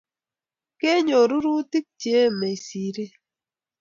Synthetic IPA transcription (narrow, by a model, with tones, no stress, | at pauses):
ke˦ɲo˨ɾu˦ɾu˦ti˦k̚t͡ʃje˦me˨i˨si˨ɾi˦